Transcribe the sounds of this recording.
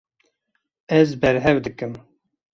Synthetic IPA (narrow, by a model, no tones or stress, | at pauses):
ɛzbɛɾɦɛvd̪ɨkɨm